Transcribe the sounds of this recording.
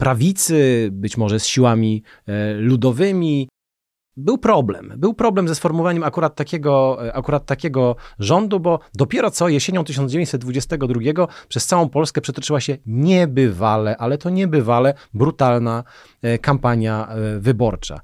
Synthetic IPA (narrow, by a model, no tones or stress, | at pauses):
pɾavʲit̪sɘbɘt͡ɕmɔʐɛsɕiwamʲi | lud̪ɔvɘmʲi | bɘwpɾɔblɛ̰mbɘwpɾɔblɛmzɛsfɔɾmuvaɲɛmakuɾat̪ːakʲɛɡɔakuɾat̪ːakʲɛɡɔʐɔnd̪ubɔd̪ɔpʲjɛɾɔt̪sɔjɛɕeɲɔ̃w̃t̪ɘʃɕ̬ɔnd͡ʑevẽɲt͡ɕʲsɛd̪̚d̪vud͡ʑɛst̪ɛɡɔd̪ɾuɡʲɛɡɔpʂɛst̪sawɔ̃w̃pɔlskɛpʂɛt̪ɔt͡ʂɘwaɕɛɲɛbɘvalɛʔalɛt̪ɔɲɛbɘvalɛbɾut̪alna | kampaɲjavɘbɔɾt͡ʂa̰